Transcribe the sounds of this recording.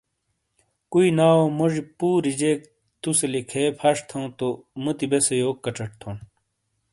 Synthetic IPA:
kuinaːwomoʐipuːɾid͡ʑeːk̚ | t̪uselikʰeːpʰɐʂt̪ʰɐ̃w̃t̪omut̪ibesejoːkːɐʈ͡ʂɐʈ̚t̪ʰõn

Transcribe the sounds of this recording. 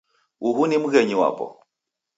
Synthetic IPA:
ʔuɦunimuɣɛɲiwa̰pɔ̰

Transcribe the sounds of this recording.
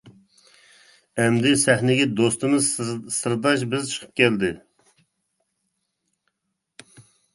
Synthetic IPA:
ɛmd̪ɪsɛhnɪɡʲɛd̪ost̪ɨmɨzsɨɾd̪ɑʃ̬bɪzt͡ʃʰə̥qʰə̥p̚kʲɛld̪ɪ

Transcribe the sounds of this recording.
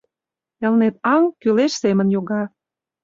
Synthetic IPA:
ĕlnet̪ɑŋkyleʃsemə̆njoɣɑ

